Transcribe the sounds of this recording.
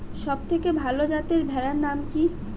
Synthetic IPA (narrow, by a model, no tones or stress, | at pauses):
ʃɔb̚t̪ʰekebʱalod͡ʑat̪eɾbʱɛɾaɾnamki